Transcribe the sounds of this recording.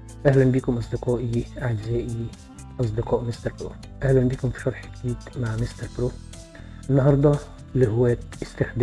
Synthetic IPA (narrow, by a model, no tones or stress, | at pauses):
ʔæhlænbiːkʊmʔɑs̬ˤd̪ɪqɑːʔiʕad͡ʒzæːʔi | ʔɑs̬ˤd̪ɪqɑːʔmɪst̪ɑɾbɾo̰ː | ʔæhlænbiːkʊmfi̥ʃɑɾˤħkd̪iːt̪maʕmɪst̪ɑɾˤbɾoː | ʔɪnːɑhɑɾˤd̪ˤɑ | lɪhʊwːæːkɪst̪ɪxd̪